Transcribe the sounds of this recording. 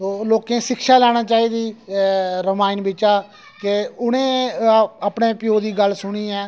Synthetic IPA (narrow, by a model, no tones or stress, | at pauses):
oloːkẽːsɪkʃaːlɛːɽ̃aːt͡ʃaːiːd̪iː | ɾəmaːɪnbɪt͡ʃaː | keʊnẽː | əpɳẽːpɪjoːd̪iːɡəlsʊɽiːɛː